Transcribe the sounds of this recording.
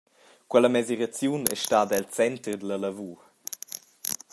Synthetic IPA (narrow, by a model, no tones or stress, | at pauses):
kwɛləmɛziɾat͡sjunɛ̰ʃtaːd̪ɛlt͡sɛnt̪ərd̪ələləvuː